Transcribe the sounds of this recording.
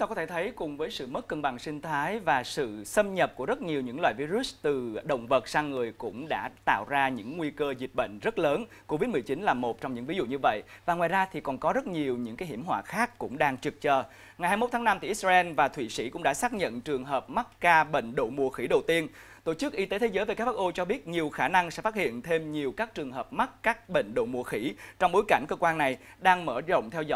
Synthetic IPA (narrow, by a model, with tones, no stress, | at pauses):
t̪aː˧kɔ˨˦t̪ʰe˧˩t̪ʰə˨˦jkʊ˨˩ŋ͡mvəː˨˦jsɨ̰˧˨mə˦˥t̚kə˧nɓa˨˩ŋsï˧ŋ̟t̪ʰaː˨˦jvaː˨˩sɨ̰˧˨sə˧mɲə˨˩p̚ku˧˩əzə˦˥t̚ɲi˨˩əwɲɨ̰˧˥ŋlwa̰ː˧˨jvi˧zu˦˥st̪ɨ˨˩ɗə̰˧˨wŋ͡mvə˨˩t̚saː˧ŋːɨ˨˩əjkʊ̰˧˥ŋ͡mɗa̰ː˧˥t̪a̰ː˧˨wzaː˧ɲɨ̰˧˥ŋŋwi˧kəː˧zi˨˩t̚ɓə̰˧˨ŋ̟zə˦˥t̚ləː˨˦n | ko˧vi˦˥t̚mɨ˨˩ət͡ɕi˨˦nlaː˨˩mo˨˩t̚t͡ɕɔ˧wŋ͡mɲɨ̰˧˥ŋvi˨˦zṵ˧˨ɲɨ˧və̰˧˨jvaː˨˩ŋwaː˨˩jzaː˧t̪ʰi˨˩kɔ˨˩nkɔ˨˦zə˦˥t̚ɲi˨˩əwɲɨ̰˧˥ŋkaː˨˦jɦi˧˩əmɦwa̰ː˧˨xaː˦˥kːʊ̰˧˥ŋ͡mɗaː˧ŋt͡ɕɨ˨˩k̚t͡ɕəː˨˩ | ŋa˨˩jhaː˧jmo˦˥t̪̚ʰːna˧mt̪ʰḭː˧˨i˦˥t̚zaː˧ɛ˧nvaː˨˩t̪ʰwḭ˧˨sḭ˧˥kʊ̰˧˥ŋ͡mɗa̰ː˧˥saː˦˥k̚ɲə̰˧˨nt͡ɕɨ˨˩əŋɦəː˨˩p̚ma˦˥t̚ːaː˧ɓḛ˧˨ŋ̟ɗo̰˧˨mu˨˩əxi˧˩ɗə˨˩wt̪i˧ən | t̪o˧˩t͡ɕɨ˦˥k̚ʔi˧t̪e˨˦t̪ʰzəː˨˦jve˨˩a˦˥k̚ɓaː˥ʔo˧t͡ɕɔ˧ɓi˦˥ət̚ɲi˨˩əwxaː˧˩na˧ŋsɛ̰˧˥faː˦˥t̚hḭ˧˨ənt̪ʰe˧mɲi˨˩əwkaː˦˥k̚t͡ɕɨ˨˩əŋɦəː˨˩p̚ma˦˥t̚kaː˦˥k̚ɓḛ˧˨ŋ̟ɗo̰˧˨mu˨˩əxi˧˩t͡ɕɔ˧wŋ͡mɓo˨˦jka˧˩jŋ̟kəː˧kwaː˧nːa˨˩j | ɗaː˧ŋməː˧˩zo̰˧˨wŋ͡mt̪ʰɛ˧wzɔ̰˧